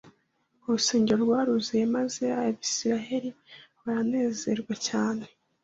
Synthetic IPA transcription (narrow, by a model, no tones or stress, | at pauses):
uɾuse̞ːɲɟeɾoɾɡwaːɾuzijemaze̞aaβisiɾaɦe̞ɾiβaɾane̞ːze̞ɾɡwacaːne